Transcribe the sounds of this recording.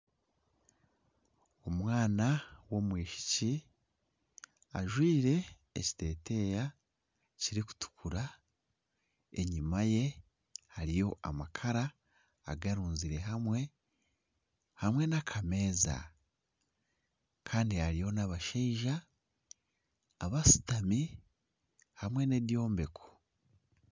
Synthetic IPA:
omwaːnawo̞mwiːʃi̥ci | a̰ʒwiːɾe̞̰ː | ci̥te̞ːte̞ja | ciɾiku̥tu̥kʰuɾa | e̞ɲimaje̞ | haɾijo̞ʔamakʰaɾaː | ɡaɾuːnziɾe̞ɦamwe̞ | hamwe̞nakʰame̞ːza̰ | kʰaːndihaɾijo̞naβaʃeiʒa | βasi̥tami | hamwe̞ne̞djo̞ːmbe̞kʰo̥

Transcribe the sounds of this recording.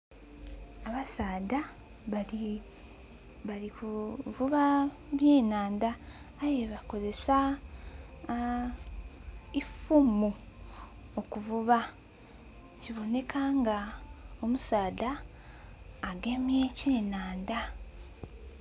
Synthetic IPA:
aβasaːda | βalikuvuβa | mje̞ːnaːndaː | je̞βako̞ze̞sa | ifumu | okuvuβa | ciβo̞ne̞kʰaːŋɡao̞musaːda | ɡe̞mje̞ceːnaːnda

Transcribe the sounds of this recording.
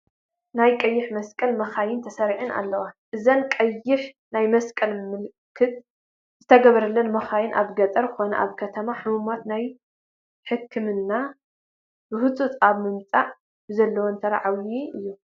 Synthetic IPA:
najkʼɐjːɪħmɐskʼɐlmɐxajɪnt̪ʰɐsɐɾʕɨnʔa̰lːɐwaʔɨzɐnkʼɐjːɪħ | najmɐskʼɐlmɨlkʰɨt̪̚ | z̥ɨt̪ʰɐɡɐβɐɾɐlːɐnmɐxajɪnʔa̰βɡɐt̪ʼɐɾkɨxonɐ̰ʔa̰βkʰɐt̪ʰɐmaħɨmumat̪naj | ħɨkʰːɨmɨnːa | bɨhɨt͡sʼut̪ʼaβmɨmt͡sʼaʕ | bɨzɐlːɐwont̪ʰɐɾaʕawiʔɨjːu

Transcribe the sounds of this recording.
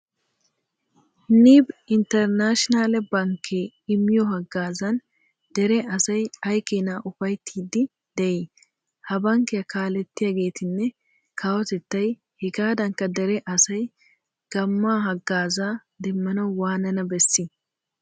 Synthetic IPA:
niːbɪnt̪ɛɾnaːʃɪnaːlɛbɐŋkʰeː | ɪmːɪjɔɦɐɡːaːzɐn | d̪ɛɾɛɐsɐjɐjkeːnaːʔʊfɐjt̪ʰːiːd̪ɪ | d̪̥ɛʔe | hɐbɐŋkɛjɐkaːlɛt̪ːɪjaːɡe̞ːt̪ɪnːɛ | kʰaːwɔt̪ɛt̪ːɐj | hɪɡaːd̪ɐŋkːɐd̪ɛɾɛʔɐsɐj | ɡ̥ɐmːaːɦɐɡːaːzaːd̪ɛmːɐnɐwwaːnɐnɐbɛsːɪ

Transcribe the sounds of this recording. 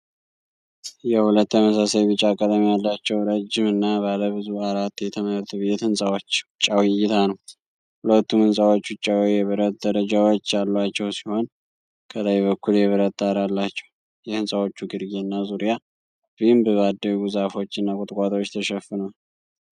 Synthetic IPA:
jɛhulət̪ːəməsasajbɨt͡ʃʼːakʼːət̪ʼamijalːat͡ʃːɛwɾəd͡ʒːɪmɨnːabaləβɨzuaɾat̪ːjɛt̪ʰəməɾt̪ʰbe̞t̪hɨnsʼawot͡ʃːt͡ʃʼːawijːɪt̪ʰanəw | hulət̪ːumɨnsʼawo̞t͡ʃːʊt͡ʃʼːawjɛβəɾət̪̚d̪əɾəd͡ʒawo̞t͡ʃːjalːat͡ʃːɛwsiho̞n | kʰələjbəkʰːuljɛβəɾət̪ʼːaɾalːat͡ʃːɛw | jɛhɨnsʼawo̞t͡ʃːuɡɨɾɡeɨnːazuɾija | bimbɨad̪əwɡuzafo̞t͡ʃːɨnːakʼʊt̪ʼkʼat̪ʼo̞t͡ʃːt̪ʰəʃɛfɨnəw

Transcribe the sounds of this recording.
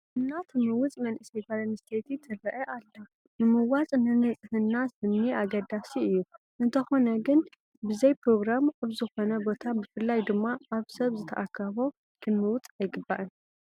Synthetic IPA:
ʔɨnːat̪ʰɨmɨwʊt͡sʼmɐnʔɨsɐjbalɐnɨst̪ʰet̪it̪ʰɨrɐʔɐʔalːo | nɨmɨwat͡sʼnɨnɨt͡sʼɨhɨnːasɨnːiʔaɡɐd̪asiɨjːu | ʔɨnt̪ʰɐxo̞nɐɡɨn | bɨzɐjpɾo̞ɡɾamʔaβzɨxo̞nɐbo̞t̪ʰabɨfɨlːajd̪ɨmːaːβsɐβzɨt̪ʰɐʔakʰːɐβo̞ | kʰɨnːɨwʊt͡s̪ʼajɡɨbːaʔɨn

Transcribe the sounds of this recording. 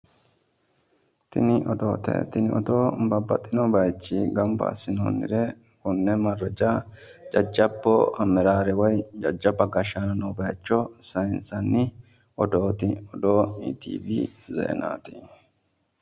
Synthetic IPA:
t̪ɪ̰nɪʔɔd̪o̰ːt̪ɛ̰t̪ɪnɪʔɔ̰d̪oːbɐbːɐt̪ʼːɪnɔbɐjt͡ʃːiːɡɐmbɐ̰ːsɪno̰ːnːɪ̰ɾɛ | kʊnːɛmɐrːɛd͡ʒa | d͡ʒɐd͡ʒːɐbːɔ̰ɐmɛɾaːɾɛwɔjd͡ʒɐd͡ʒːɐbɐɡɐʃanɐnobɐjt͡ʃːɔsɐjnsɐnːɪ | ɔd̪oːt̪ɪɔd̪o̞ːḭt̪ḭːbizɛ̰ːna̰ːt̪i

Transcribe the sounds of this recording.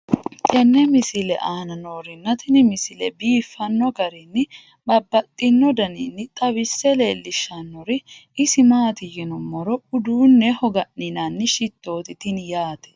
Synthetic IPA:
ʔɛnːɛmɪsɪlɛ̰ʔaːnɐnoːɾɪnːɐt̪ɪnɪmɪsɪlɛbiːfːɐnːɔɡɐɾɪnːɪ | bɐbːɐt̪ʼːɪnːɔd̪ɐninːɪt̪ʼɐbɪsːɛle̞ːlːɪʃːɐnːɔɾɪɪsɪmaːt̪ɪjɛnɔmɔɾɔʊd̪uːnːɛhɔɡɐnːɪnɐnːɪʃɪt̪ːo̞ːt̪ɪt̪ɪnjaːt̪ɛ̥

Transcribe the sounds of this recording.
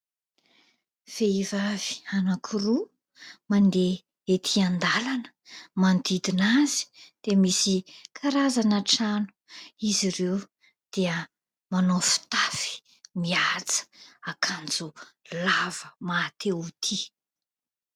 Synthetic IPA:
v̥eivavi̥anakʰuɾu | mand̪e | et̪ʰiand̪alanə̥mand̪id̪inazi̥d̪̥emisikʰaɾazanəʈ͡ʂanu̥iziɾew | d̪̥iə | manofu̥t̪afi̥ | miat͡sə̥akʰand͡zulav̥əmat̪eut̪ʰi

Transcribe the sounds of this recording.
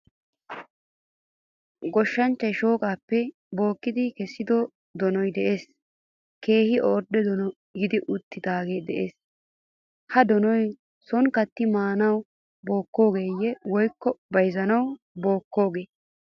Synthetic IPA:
ɡɔʃːɐnt͡ʃːɐjʃo̞ːkʼaːpːɛ | bo̞ːkːɪd̪ɪkɛsːɪd̪ɔ | d̪ɔnɔjd̪ɛʔe̞ːs | ke̞ːhɪʔoːɾd̪ɛd̪ɔnɔ | ɡɪd̪ɪʔʊt̪ːɪd̪aːɡeːd̪ɛʔeːs | hɐd̪ɔnɔj | sɔnkɐt̪ːɪmaːnɐw | bo̞ːkːo̞ːɡe̞ːjːɛwɔjkːɔbɐjzɐnɐw | bo̞ːkːo̞ːɡe̞ː

